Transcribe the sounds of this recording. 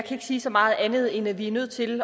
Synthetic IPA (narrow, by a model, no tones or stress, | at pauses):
kʰæe̝ɡ̥əsiːsɒ̽mɑ̈ːð̩ˠænð̞̩ˠenæʋiæɐnøð̰ˠt͡sʰe̝l